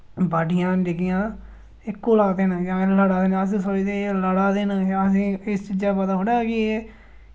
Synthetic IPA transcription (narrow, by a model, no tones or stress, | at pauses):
baːɖɪjãːɖɪkɪjãː | ɪkːoːlaːd̪eːnjãːləɽaːd̪eːnəs̬ĩːsoːiːt̪eːləɽaːd̪eːnjãːəs̬ĩːɪst͡ʃiːd͡ʒaːpət̪aːɦʊːɽaːkɪː